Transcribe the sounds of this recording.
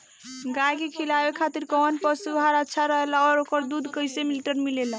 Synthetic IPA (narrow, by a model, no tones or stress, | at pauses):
ɡakekʰilabekʰat̪iɾkɔnpəsubʱɦaɾətːʃʰaɾəɦelaɔːɾokəɾd̪ud̪ʱkəjsemiliʈəɾmilela